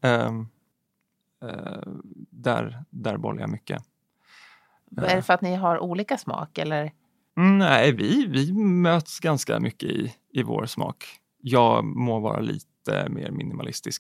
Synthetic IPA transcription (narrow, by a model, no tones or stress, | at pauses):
ɛ | d̪æɾd̪æɾbɔlːjamʏkːə | æɖɛfəɾat̪nɪɦaɾʔuːliːkasmɑ̰ːkɛlːəɾ | næɪvɪvɪmøːt̪sɡanskamʔʏkːəɪ | ɪvoːɾsmɑːk | jɑːɡmɔvɑːɾaliːt̪əmeːɾmɪnɪmalɪst̪ɪsk